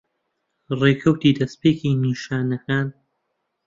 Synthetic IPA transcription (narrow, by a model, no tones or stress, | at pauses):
reːkʰɐwt̪iːd̪ɐspeːkiːniːʃaːnɐkaːn